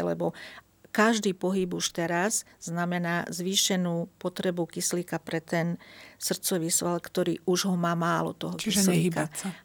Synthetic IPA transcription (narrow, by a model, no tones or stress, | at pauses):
lɛ̰bɔ | kaʒd̪iːpɔɦibuʃt̪ɛɾazzːnamɛnaːzʋiːʃɛnuːpɔt̪ɾɛbukisliːkapɾɛt̪ɛnsr̩t͡sɔʋiːsʋalkt̪ɔɾḭːuʒɦɔmaːmaːlɔ̰t̪ɔɦɔt͡ʃkiisliːikaa